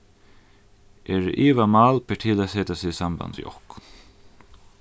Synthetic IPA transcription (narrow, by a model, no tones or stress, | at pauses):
ʔɛɾʔiːʋamaːlpʰɛʈʰiːlasɛːt̪asiːsamba̰nsjɔ̰k